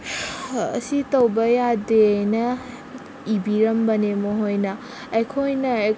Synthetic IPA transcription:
ɐ̰sit̪ʌwbɐjad̪eəjnɐ | ibiɾʌmbɐnemoɦojnɐ | ekʰojnae

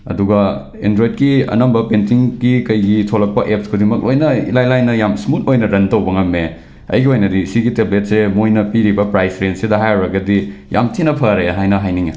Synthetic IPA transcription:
ɐ̰duɡɐ | endɾojd̚kiɐ̰nɐmbɐpentiŋɡikɐjɡitʰolɐk̚pɐʔep̚kʰodimɐk̚lʔojnɐḭlajlajnɐjamsmut̚ojnɐɾɐntɐwbɐŋɐmːe | ɐ̰jɡiojnɐdisiɡiteblet̚semojnɐpiɾibɐpɾajsɾensidɐɦajɐwɾɐɡɐdija̰mtʰinɐpʰɐɾeɦajnɐɦajniŋe

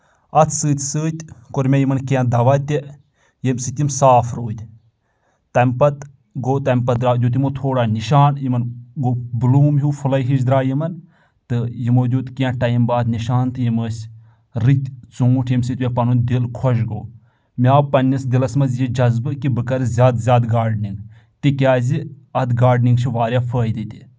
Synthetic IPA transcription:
ɐt̪ʰsɨːt̪ʲsɨːt̪ʲkoɾmʲejimɐnkiãd̪ɐʋɐt̪ʲi | jemʲsɨt̪ʲimsaːfɾoːt̪ʲ | t̪ɐmʲpɐt̪ | ɡoːt̪ɐmʲpɐd̪ɾaːd̪ʲjuːt̪̬ʲimoːt̪ʰoːɽaːniʃaːnjimɐnɡoːbɨluːmɦuːfʰulɐjɦiʃ̬d̪ɾaːjimɐn | t̪ɨjimoːd̪juːt̪kijãʈɐjmbaːd̪niʃaːnt̪ʰɨjiməːsʲ | ɾit̪ʲt͡suŋuʈʰimsit̪ʲuɐpɐnund̪ilkʰɔʃ̬ɡo̰ː | miaːpɐnʲːisd̪ilɐsmɐzjid͡ʒɐzbɨkibɨkɐɾzʲaːd̪zʲaːd̪ɡaːɖniŋɡ | t̪ikʲjaːzi | ɐd̪ɡaːɾɖniŋɡt͡ʃʰiʋaːɾʲjaːfəːjd̪it̪ʲi

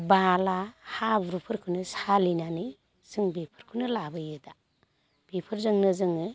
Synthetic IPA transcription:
balahabɾupʰɯɾkʰunɯsalinanɯ | sɯŋbepʰɯ̥ɾkʰɯnɯlabɯjɯda | b̥epʰɯɾzɯŋnɯzɯŋɯ

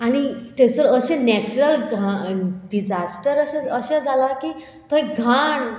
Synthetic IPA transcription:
añit̪et͡səɾəɕẽnɛt͡ɕuɾəlɡaɖid͡ʑasʈəɾəɕaəɕãd͡zʱalaki | t̪oɦɛɡʱaɳ

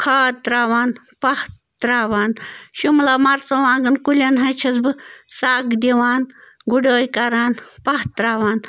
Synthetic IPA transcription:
kʰaːt̪ɾaːʋaːn | pɐh | t̪ɾaːʋaːnʃumlamɐɾt͡sɐʋãːŋɡɐnkulʲɐnɦɐt͡ʃʰɐsbɨsaːkd̪ʲiʋaːn | ɡuɖoːjkɐɾaːnpɐht̪ɾaːʋaːn

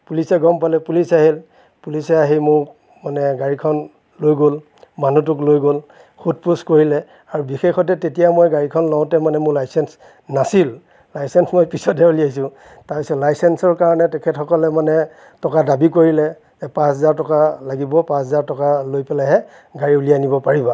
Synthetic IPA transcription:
pulisɛɡɔmpalɛpulisaɦil | pulisɛaɦimʊɹ | manɛɡaɹikʰɔn | lojɡol | manut̬ʊk̬lojɡol | xut̚puskoɹilɛ | aɹubixexɔtɛtetijamojɡaɹikʰɔnlɔʊ̃tɛmanɛmʊɹlajsɛns | nasil | lajsɛnsmojpisɔdɛulijaisʊ̃ | taɹpisɔtlajsɛnsɔɹkaɹɔnɛtɛkʰɛtxɔkɔlɛmanɛ | tɔkadabikoɹilɛ | zɛpãszaɹtɔkalaɡibɔpãsɔzaɹtɔkalojpɛlaɦɛ | ɡaɹiulijanibɔpaɹiba

